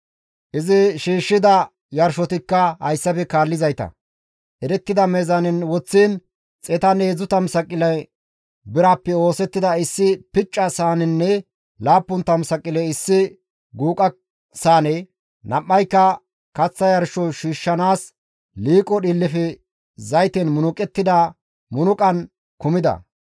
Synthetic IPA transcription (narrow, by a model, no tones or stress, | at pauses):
ʔɪzɪʃiːʃːɪd̪ɐ | jɐɾʃɔt̪ɪkːɐhɐjsːɐfɛkaːlːɪzɐjt̪ɐ̰ | ʔɛɾɛt̪ːɪd̪ɐmɛzɐnɪnwɔt͡sːiːn | t͡sʼɛt̪ɐneːzʊt̪ɐmsɐkʼːɪlɐj | bɪɾaːpːɛo̞ːsɛt̪ːɪd̪ɐɪsːɪpɪt͡ʃʼːɐsaːnɪnːɛ | laːpːʊnt̪ɐmsɐkʼːɪlɛjɪsːɪ | ɡuːkʼɐ | saːnɛ | nɐmːɐjkːɐ | kɐt͡sːɐjɐɾʃɔʃiːʃːɐnaːs | liːkʼːɔɗɪlːɪfɛ | zɐjt̪ɛnmʊnʊkʼɛt̪ːɪd̪ɐ | mʊnʊkʼɐn | kʊmɪd̪ɐ̰